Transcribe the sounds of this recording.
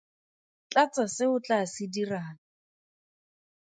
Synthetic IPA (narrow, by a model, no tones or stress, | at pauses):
t͡ɬat͡sʼasɪʊt͡ɬasɪdiraːna